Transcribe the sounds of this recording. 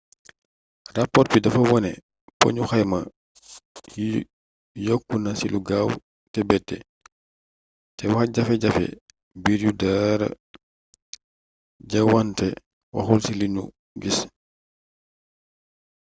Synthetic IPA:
rapːɔɾ̚pidɐfɐwɔnɛ | po̰ɲuxajmɐ | jokːunɐsiluɡaːw | tɛbɛtːɛ̰ | tɛwaxɐɟɐfɛɟɐfɛ̰ | biːɾjudaɾɐ̰ | ɟɐwantɛ | wɐ̰xulsilinṵ | ɡis

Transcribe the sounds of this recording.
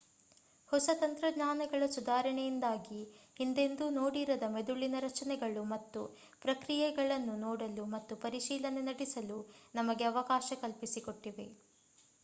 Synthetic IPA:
hɔsɐt̪ɐnt̪ɾɐɡɲaːnɐɡɐɭɐsud̪aːɾɐɳɛjind̪aːɡihind̪e̞nd̪unoːɽiɾɐd̪ɐme̞d̪uɭːinɐɾɐt͡ʃɐnɛɡɐɭumɐt̪ːu | pɾɐkɾijɛɡɐɭɐnːunoːɽɐlumɐt̪ːupɐɾiʃiːlɐnenɐɽisɐlunɐmɐɡeɐʋɐkaːʃɐkɐlpisikoʈːiʋe̞

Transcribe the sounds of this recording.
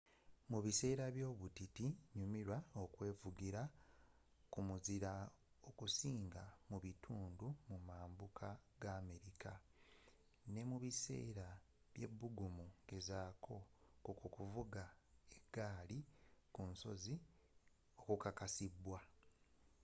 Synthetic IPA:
muβise̞ːɾaβjo̞ːβutitiɲumiɾwao̞kwe̞ːvuɡiɾa | kumuziɾa | o̞kusiːŋɡamuβitʰuːndumumaːmbukʰaɡ̥aːme̞ɾikʰa | ne̞muβise̞̰ːɾa | βje̞̰bːuɡumuŋɡe̞zaːkʰo̞kukukuvuɡaeɡaːlikunso̞̰zi | o̞kukakasibwa

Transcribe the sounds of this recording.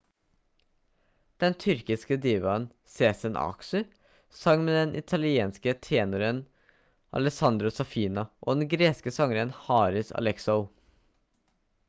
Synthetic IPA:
d̪̥ɛnt̪ʰʏɾkɪskəd̪iːʋɑn | seːsənʔɑ̰ːksʉ | sɑŋmeːd̪ɛnʔɪ̰t̪ʰɑlɪeːnskət̪ʰeːnʊɾən | ʔɑ̰lɛsɑnd̪ɾʊsɑfiːnɑʔo̰ːd̪ɛnɡɾeːskəsɑŋəɾənhɑːɾɪsɑ̰lɛksɔʊ

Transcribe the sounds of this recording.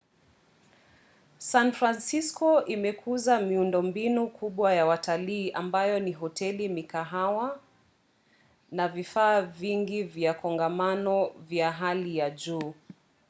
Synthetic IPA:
sanfɾansiskɔʔimɛkʰuzamiundɔmbinukʰuɓwajawataliːʔambajɔniɦɔtɛlimikaɦawa | navifaːviŋɡivjakɔŋɡamanɔvjaɦalijaʄuː

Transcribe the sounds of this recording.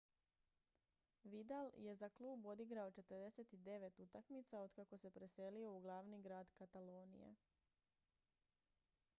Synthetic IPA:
ʋid̪alje̞zaklˠuːbo̞d̪iɡɾao̞t͡ʃe̞t̪əɾd̪e̞se̞t̪id̪e̞ʋe̞t̪ut̪akmit̪sao̞d̪kako̞se̞pɾe̞se̞lio̞uɡlˠaːʋniɡɾaːd̪kat̪alo̞ːnḭjḛ

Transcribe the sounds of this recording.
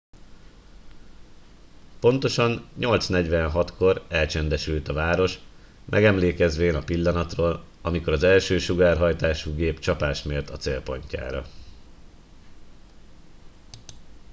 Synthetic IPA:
po̞nt̪o̞ʃɒnɲo̞lt̪snɛɟʋɛnɦɒt̪ko̞ɾɛlt͡ʃɛnd̪ɛʃylt̪ɒvaːɾo̞ʃ | mʔɛ̰ɡɛmleːkɛzʋeːnɒpilːɒnɒt̪roːl | ɒmiko̞ɾɒzɛlʃøːʃuɡaːrɦɒjt̪aːʃuɡeːpt͡ʃɒpaːʃmeːrt̪ɒt̪seːlpo̞ɲca̰ːɾɒ̰

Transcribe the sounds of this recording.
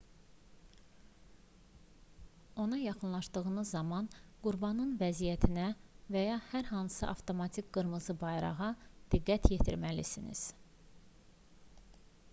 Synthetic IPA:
o̞nɑjɑχɯnlˠɑʃd̪ɯɣɯnɯzːɑmɑnɡ̥uɾbɑnɯnvæzijæt̪ʰinævæjɑhæɾɦɑnsɯʔɑft̪ʰo̞mɑt̪ʰikɡ̥ɯɾmɯzɯbɑjɾɑ̰ʁɑd̪̥iɡːæt̪ʰjet̪ʰiɾmælisinḭz̥

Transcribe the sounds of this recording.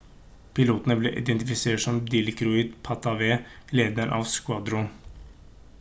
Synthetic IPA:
pʰɪluːt̪ənəbleːʔɪ̰d̪ɛnt̪ɪfɪseːʈʂɔmd̪ɪlɪkɾʊiːd̪pʰɑt̪ɑʋeːleːd̪əɾʔɑ̰ːʋskwɑd̪ɾʊn

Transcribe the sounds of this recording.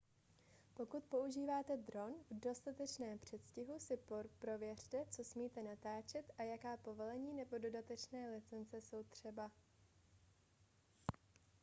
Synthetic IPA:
po̞kut̪po̞ʔuʒiːvaːt̪ɛd̪ɾo̞nvdo̞st̪at̪ɛt͡ʃnɛːmpr̝̥ɛt̪scɪɦusɪpɾo̞vjɛr̝̥t̪ɛt͡so̞smiːt̪ɛnat̪aːt͡ʃɛt̪ʔajakaːpo̞vo̞lɛɲiːnɛbo̞do̞dat̪ɛt͡ʃnɛːlɪt͡sɛnt͡sɛso̞wt̪r̥ɛba

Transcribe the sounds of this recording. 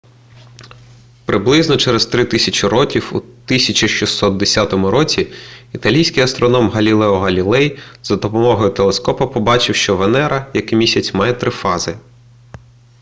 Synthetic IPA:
pɾɪblˠɪznɔt͡ʃɛɾest̪ɾɪt̪ɪsʲɐt͡ʃiɾɔkʲiwut̪ɪsʲɐt͡ʃʲiʃisːɔt̪̚d̪esʲat̪ɔmʊɾɔt͡sʲiit̪ɐlʲijsʲkijɐst̪ɾɔnɔmɦɐlʲilˠɛɔɦɐlʲilˠɛjzɐd̪ɔpɔmɔɦɔjʊt̪elˠeskɔpɐpɔbɑt͡ʃɪwʃt͡ʃɔʋenɛɾɐjɐkɪmʲisʲɐt͡sʲmɑjɛt̪ɾɪfɑzɪ

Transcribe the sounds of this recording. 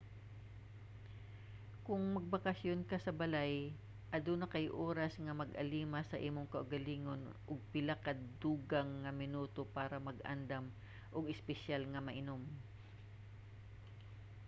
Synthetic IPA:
kʊŋmɐɡ̚bakɐsjonkasɐbɐlaj | ʔɐd̪unɐkɐjʔoːɾasŋɐmɐɡʔɐ̰liːmasɐʔiːmoŋkɐʔʊɡɐliːŋonʔʊɡ̚pɪlakad̪uːɡaŋːɐmɪnuːt̪opaːɾɐmɐɡʔa̰nd̪am | ʔʊɡɪspɛʃalŋɐmɐʔɪnom

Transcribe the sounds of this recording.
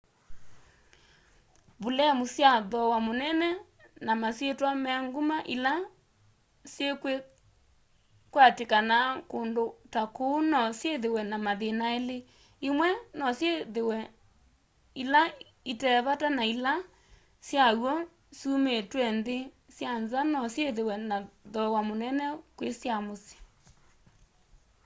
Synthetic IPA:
βolɛmusjaðɔwamonɛnɛ | namaswetwamɛaŋɡumaʔila | sjekwe | kwatekanakondotakonɔsjeðewɛnamaðenaele | imwɛnɔsjeewɛ | ila | itɛβatanaila | sjawɔ | sumetwɛnðe | sjanzanɔsjeðewɛnaðɔwamonɛnɛkwesjamose̥

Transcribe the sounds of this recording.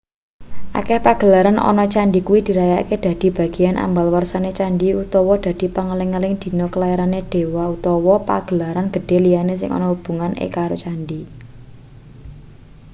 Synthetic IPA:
ʔa̰kɛhpaɡ̥ə̤laɾanɔ̰nɔt͡ʃaɳɖikuwid̪̥i̤ɾajaked̪̥a̤d̪̥i̤b̥a̤ɡ̥i̤janʔa̰mbalwərsanet͡ʃanɖiut̪ɔwɔd̪̥ä̤d̪̥i̤pəŋəlɪŋːəlɪŋd̪̥i̤nɔkəlajaɾaned̪̥e̤waut̪ɔwɔpa̰ɡ̥ə̤laɾanɡ̥ə̤ɖ̥e̤lijanes̬ɪ̰ŋʔɔ̰nɔhub̥ṳŋanʔḛkaɾot͡ʃanɖi

